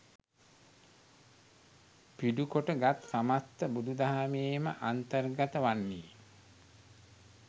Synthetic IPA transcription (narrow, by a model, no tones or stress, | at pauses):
piɖukoʈəɡat̪samat̪ːəbud̪ud̪aɦameːməʔant̪ərɡat̪əʋanːiː